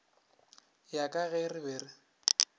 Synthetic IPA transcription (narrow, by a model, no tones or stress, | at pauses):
jakʼaɣɛrɪbeːrɪ